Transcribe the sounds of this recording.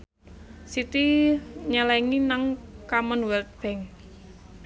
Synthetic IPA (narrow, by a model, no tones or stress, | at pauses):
sit̪iɲəlɛŋinaŋkamənwɛlt̪̚b̥ɛŋ